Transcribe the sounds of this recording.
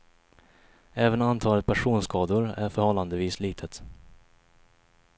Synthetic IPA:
ɛːvənant̪ʰɑːlət̪̚pʰæʂuːnskɑːd̪ʊɾæɾfœɾhɔlːand̪əviːsliːt̪ʰət̪

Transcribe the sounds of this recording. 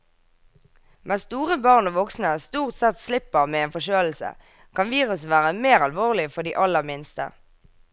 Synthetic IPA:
mʔɛst̪uːʁəbɑʁnoːʋɔksnəst̪uːʁt̪sɛt̪slɪpəʁmeːeːnfɔʃøːll̩sə̰ | kʰɑnʋiːʁʉsʋæːʁəmeːʁɑlʋoːʁlɪfɔʁɖ̪ḭːʔɑləʁmɪnst̪ə̰

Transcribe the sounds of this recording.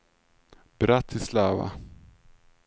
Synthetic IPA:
b̥ɾat̪ʰːɪslaːva̰

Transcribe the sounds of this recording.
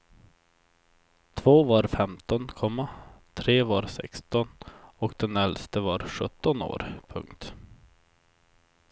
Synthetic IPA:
t̪ʰvoːvaɾfɛmt̪ɔnkʰɔmːat̪ʰɾeːvaɾsɛ̰kst̪ɔnɔkd̪ɛnɛlst̪əvaɾɧɵt̪ːɔno̰ːɾpʰɵ̰ŋkt̪

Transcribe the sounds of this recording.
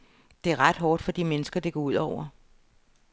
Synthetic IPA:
d̥e̝æɐʁɑd̥ɦɒːd̥fɒ̽d̥imenəsɡ̥ɐd̥e̝ɡ̥ɒuð̞̰ˠɒʊ̰ɐ

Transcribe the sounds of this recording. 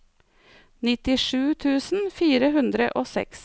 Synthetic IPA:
nɪt̪ɪʂʉːt̪ʰʉːsn̩fiːɾəhʉnd̪ɾə̰ʔoːsɛ̰ks

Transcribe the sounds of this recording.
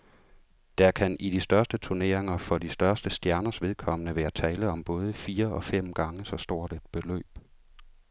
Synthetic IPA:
d̥æɐkʰænid̥isd̥ɶɐsd̥ət͡sʰuɐne̝̰ɐ̰e̝ŋɐfɒ̽d̥isd̥ɶɐsd̥əsd̥jæɐnɐsʋe̝ðˠkʰɒ̽m̰ənəʋæːɐt͡sʰɛːləð̩ˠɒ̽mb̥ɔ̽ːð̞ˠəfiːɐʔɒ̽fem̰ɡ̥ɑ̈ŋəsɒ̽sd̥o̝ɐ̰d̥ed̥̚b̥e̝lø̰ːb̥

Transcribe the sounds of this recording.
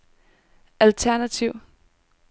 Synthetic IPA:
ælt͡sʰæɐnæt͡sʰiʊ̰

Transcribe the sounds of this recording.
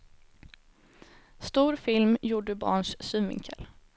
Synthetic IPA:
st̪uːɾfɪlmjuːɖəbɑ̰ːɳʂsʉmvɪ̰ŋkʰə̰l

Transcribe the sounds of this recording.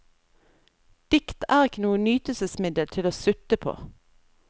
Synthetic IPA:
d̪̥ɪkt̪ʰæːʁɪkənuːənyːt̪əl̩səsmɪd̪əlt̪ʰɪloːsʉt̪əpʰo̰ː

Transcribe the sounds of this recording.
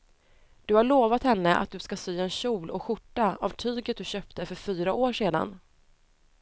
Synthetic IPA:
d̪̥ɵhaɭoːvat̪hɛnːəʔa̰t̪̚d̪ɵskasyːɛnɕuːlʔɔkɧʊʈːaavʈ̪ʰyːɡət̪̚d̪ɵɕœːp̚t̪əfœɾfyːɾaʔoːʂeːd̪a̰n

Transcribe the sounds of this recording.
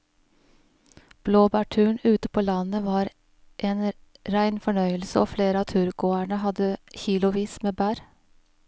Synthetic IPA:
b̥loːbæːʈʰʉːɳʉːt̪əpʰoːlɑnəʋɑːɾ | ʔeːn | ɾæɪnfɔɳœʏəlsəoːfleːɾəɑːt̪ʰʉːɾɡoːæɳəhɑd̪əçiːlʊʋiːsmeːbæːɾ

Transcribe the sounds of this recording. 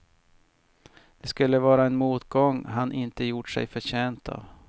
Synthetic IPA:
d̪̥ɛskɵlːəvɑːɾaɛnmuːt̪ɡɔŋːɦanʔɪnt̪əjʊʈʂɛ̰jfœɕeːnt̪ʰɑ̰ːv

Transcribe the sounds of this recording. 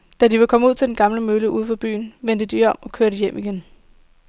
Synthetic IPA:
d̥ædiʋe̝lkʰɒ̽məuð̰ˠt͡sʰe̝ld̥enɡ̥ɑ̈mləmøːləʔuːð̞ˠn̩fɑb̥y̰ːn̩ʋen̰d̥əd̥iɒ̽m̰ɒ̽kʰøɐɾəjem̰ʔiɡ̥en

